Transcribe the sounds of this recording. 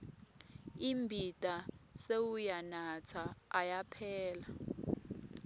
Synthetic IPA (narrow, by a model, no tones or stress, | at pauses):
imbʱitʼasewujanat͡sʰaːjapʰɛːla